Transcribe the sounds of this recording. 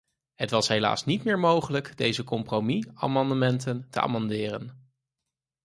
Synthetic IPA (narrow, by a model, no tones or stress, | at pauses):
ɦətʋɑsɦejla̰ːsnitmɪːɹmowχələkdejzəkɔmpromia̰ːmɑndəmɛntəntə̰ʔa̰ːmɑndɪːrən